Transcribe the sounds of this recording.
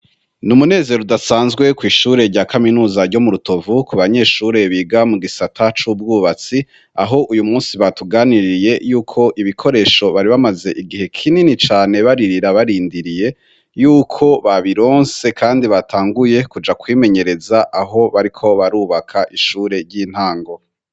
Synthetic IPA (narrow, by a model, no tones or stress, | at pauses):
numune̞ːzeɾoudasaːnzɡwe̞kwiːʃuːɾe̞ɾɟaːkaminuːzaɾɟo̞muɾuto̞vukuβaɲe̞ːʃuːɾe̞βiːɡamuɡisatʰat͡ʃub̚ɡuːβat͡si | a̰ɦo̞ʔujumuːsiβatuɡaːniɾije̞juːkʰo̞ʔiβikʰo̞ɾe̞ːʃo̞βaɾiβamaze̞ʔiɡihe̞kʰininit͡ʃaːne̞βaɾiɾiɾaβaɾiːndiɾije̞ | juːkʰo̞βaβiɾo̞ːnse̞kʰaːndiβatʰaːŋɡuje̞kud͡ʒakwiːme̞ɲe̞ɾe̞zaʔaɦo̞βaɾikʰo̞βaɾuːβakʰaʔiʃuːɾe̞ɾɟiːn̥haːŋɡo̞